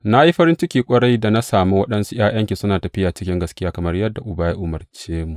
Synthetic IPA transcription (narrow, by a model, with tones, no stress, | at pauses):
na˦i˦ɸɐ˦ɾɪ˦nt͡ʃɪ˦kʲiː˨kʷʼɐ˦ɽɐ˦jda˨na˦saː˨mu˦wɐ˦ɗɐ˦nsu˦j̰aː˦j̰ɐ˦ŋkʲi˨sʊ˦naː˨tɐ˨ɸɪ˦jaː˨t͡ʃɪ̥˦kʲɪ˦ŋɡɐ˨skʲɪ˦jaː˦kɐ˨mɐ˦rjɐ˦dːa˨ʔʊ˨baː˦ji˦ʔʊ˦mɐ˨rt͡ʃeː˦mu˨